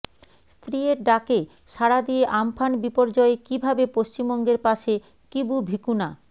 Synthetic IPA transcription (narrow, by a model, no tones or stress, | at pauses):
st̪ɾieɾɖake | ʃaɾad̪ieʔampʰanbipoɾd͡ʑɔekibʱabepoʃt͡ɕimbɔŋɡeɾpaʃe | kibubʱikuna